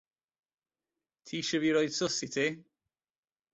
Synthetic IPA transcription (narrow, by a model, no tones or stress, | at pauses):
tʰiːʃəviɹɔjd̥sʊsitʰi